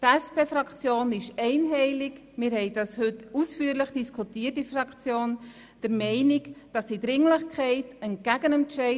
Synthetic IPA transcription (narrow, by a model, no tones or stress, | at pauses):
tɛspeːfɾɑkt͡sjoːnɪʃɛɪnɦɛɪlɪk | mɪːɾhɛɪdɑshʏtusfyːəɾləχd̥iskʰutiːət̚ifrɑkt͡sjoːn | d̥əɾmɛɪnɪkd̥ɑsd̥idɾɪŋləχkʰɛɪtənt̚ɡ̥æɡənɛnt͡ʃɛɪ